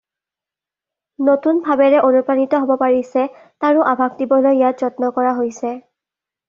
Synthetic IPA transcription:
notunbʱabɛɹɛʔonupanitɔɦobɔpaɹisɛ | taɹʊʔabʱak̚dibɔlojjat̚z̥ɔtnɔkɔɹaɦojsɛ

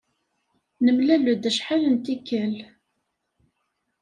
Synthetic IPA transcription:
nəmlælud̪æʃħalənt̪ikːæl

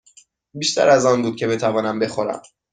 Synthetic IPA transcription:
biːʃt̪ʰæ̰ɾæzɒːnbuːd̪̚cʰʲe̞be̞t̪ʰævɒːnæmbe̞xo̞ɾæ̰m

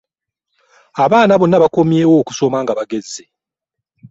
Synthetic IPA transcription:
aβaːnaβo̞nːaβako̞mje̞ːwo̞ːku̥so̞maːŋɡaβaɡe̞zːe

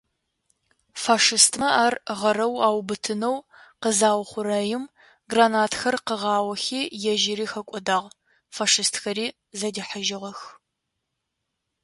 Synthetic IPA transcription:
faːʂɨstʰmɐaːrʁɐɾɐwaːwbɨtʰɨnɐw | qəzaːwχʷʊɾɐjɪm | ɡraːnaːtʰxɐrqəʁɑːwɐxiːjɛʒɪɾiːxɐkʷʼɔdaːʁ | faːʂɨstxɐɾiː | zɐdiːħəʒɪʁɐx

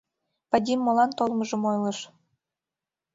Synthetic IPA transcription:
padʲimːolɑnt̪olmɤʒɤ̆mojlɤ̆ʃ

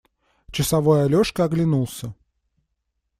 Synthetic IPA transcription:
t͡ɕɪsɐvo̞jəɐlʲoʂkəɐɡlʲɪnulˠsʲə

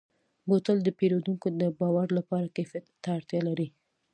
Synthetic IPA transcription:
bot̪əld̪əpeɾod̪uŋkod̪əbɑwaɾlapɑɾakefjat̪ːaːɽt̪jɑlaɾi

